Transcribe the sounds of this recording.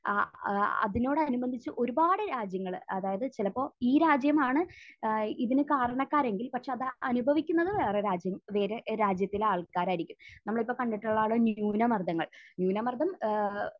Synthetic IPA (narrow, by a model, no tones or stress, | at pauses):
ɐ̰ðino̞ːɽɨɐnubɐnd̪ʱit͡ɕːɨʔo̞ɾubaːɽɨɾaːd͡ʑjɐŋːɐɭɐðaːjɐðɨt͡ɕilɐpːo̞ːiːɾaːd͡ʑjɐmaːɳɨ | iðinɨkaːɾɐɳɐkːaːɾe̞ŋɡilpɐʈʂeɐðɐnubʱɐʋikʲːunːɐðɨʋe̞ːreɾaːd͡ʑjɐmʋe̞ːɾeɾaːd͡ʑjɐt̪ːilaːɭkaːɾaːjiɾikʲːumnɐmːɐɭipːo̞ːkɐɳɖiʈːuɭːaːɭonjuːnɐmɐrd̪ɐŋːɐɭnjuːnɐmɐrd̪ʱɐm